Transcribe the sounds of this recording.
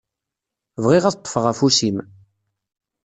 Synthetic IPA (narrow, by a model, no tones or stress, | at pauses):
vʁiʁæt̪ˤːə̥fʁæfusim